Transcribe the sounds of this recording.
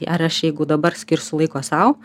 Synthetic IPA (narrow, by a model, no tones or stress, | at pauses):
ʔɐɾɐʃjɛɪɡʊd̪ɐbɐɾsʲkʲɪɾsʲʊlˠɐɪkoːsɐʊ